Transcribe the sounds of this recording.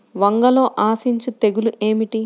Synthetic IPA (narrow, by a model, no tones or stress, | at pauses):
ʋɐŋɡɐlo̞ːʔaːsiɲt͡ʃut̪e̞ɡuluʔe̞ːmiʈi